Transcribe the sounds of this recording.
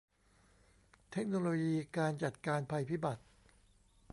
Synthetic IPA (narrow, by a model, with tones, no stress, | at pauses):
t̪ʰe˦˥k̚noː˧loː˧jiː˧kaː˧nt͡ɕa˨˩t̪̚kaː˧npʰa˧jpʰiː˦˥ba˨˩t̪̚